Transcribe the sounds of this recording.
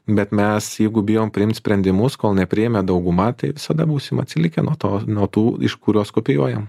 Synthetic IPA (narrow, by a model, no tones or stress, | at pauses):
bʲɛt̪mʲɛsjɛɪɡʊbʲɪjoːmpʲɾʲɪɪmt̪sʲpʲɾʲɛnʲd̪ʲɪmʊskoːlˠnʲɛpʲɾʲɪjɛmʲɛd̪ɐʊɡʊmɐt̪ɐɪʋʲɪsɐd̪ɐbuːsʲɪmɐt̪ʲsʲɪlʲɪkʲɛnuɔt̪oːnuɔt̪uːɪ̰ʃkʊɾʲuɔskoːpʲɪjuɔjɛm